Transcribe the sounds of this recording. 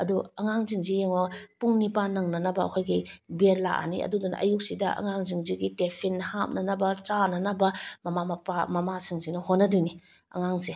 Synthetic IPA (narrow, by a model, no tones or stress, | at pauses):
ɐduɐŋaŋziŋzijeŋɐpuŋnipanɐŋnɐnɐbɐ̰ːkʰojɡibeɾla̰ʔa̰niɐ̰dudun̰ʔɐ̰juk̚sidɐʔɐ̰ŋaŋzɯŋziɡitepʰinːham̚nɐnɐbɐt͡ʃanɐnɐbɐmɐmamɐpamɐmasɯŋzinɔhonːɐduni | ɐ̰ŋaŋse